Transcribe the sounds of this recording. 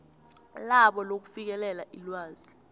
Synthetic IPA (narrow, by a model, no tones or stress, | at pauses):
laɓɔlok̬u̥fik̬ɛlɛlaʔilwaːz̥i